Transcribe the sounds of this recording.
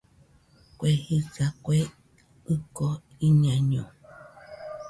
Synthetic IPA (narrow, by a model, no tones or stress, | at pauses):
kʷehikakʷe | ɨko | ĩɲãɲõ